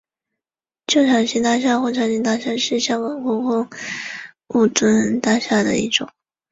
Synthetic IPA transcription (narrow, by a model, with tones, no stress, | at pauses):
t͡ɕjo˥˩ʊɕʰjɑ˨˩ŋɕi˧˥t̪a˥˧ɕ̬ja˥˧xwɔ˥˩t͡ɕʰjɑ˨˥ŋɕi˧˥ŋt̪a˥˧ɕja˥˧ʂɻ̩˥˩˧ɕjɑ˥ŋkɑ˨˩ŋkɔ˧˥kʊ˥ŋ | u˥˩t͡swə˥nt̪a˥ɕja˥˩d̪ə̰˩ḭ˥˩ʈ͡ʂʊ̰˨˩˦ŋ